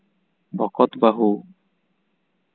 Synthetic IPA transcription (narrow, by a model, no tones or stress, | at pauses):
bɔkɔt̪baɦu